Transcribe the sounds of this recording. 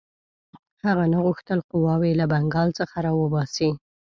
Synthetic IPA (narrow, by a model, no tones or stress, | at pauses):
haɣanaɣʊxt̪əlqʊwɑwelabaŋɡɑlt͡səxaɾɑwəbɑsi